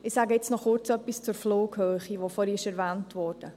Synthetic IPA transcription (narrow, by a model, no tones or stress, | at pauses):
ɪsæɡəɪt͡snɔχʊɾt͡sœpːist͡sʊɾfloːɡhøːχiʋofɔɾiɪʃɛɾʋæːntʋɔːɾd̥ə